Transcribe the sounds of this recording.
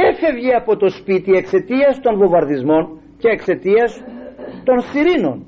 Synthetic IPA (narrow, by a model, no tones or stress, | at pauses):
efe̞vʝiɐpo̞t̪o̞spit̪ie̞kse̞t̪iɐst̪o̞nvo̞vɐɾðizmo̞n | ce̞ːkse̞t̪iɐst̪o̞nsiɾino̞̰n